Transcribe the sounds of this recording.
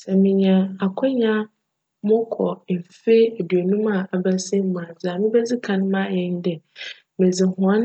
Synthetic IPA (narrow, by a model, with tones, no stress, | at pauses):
sɛ˨mɪ̃˦ɲã˦a˨kʷʰɔ˦ɲã˦ | mʊ̃˦kʰɔ˨m̩˨fe˦æ˨dɥe˨nũ˦mã˦˨a˨bæ˦sɛ˦mũ˨a˨d͡ʑa˨mɪ̃˦bɛ˦d͡zɪ˦kʰã˦ñ˦mã˦˨jɛ̃˦n˦dɛ˨ | mẽ˨d͡zɪ˨hʊ̃˨a˦n